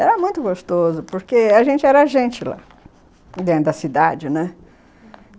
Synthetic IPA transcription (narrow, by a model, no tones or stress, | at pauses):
ɛɾɐmũj̃t̪ʊɡost̪ozʊpoɾkeaʒẽnt͡ʃɪɛɾaʒẽnt͡ʃɪla̰ | d̪ẽd̪ɐsid̪ad͡ʒɪnɛ̃